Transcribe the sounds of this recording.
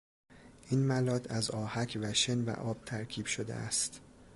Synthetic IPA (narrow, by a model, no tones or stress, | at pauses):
ʔiːnmælɒːt̪ʰæzɒːhæcʰvæʃenvæ̰ʔɒːb̥̚t̪ʰæɾkʲʰiːb̥ʃod̪ḛæ̰st̪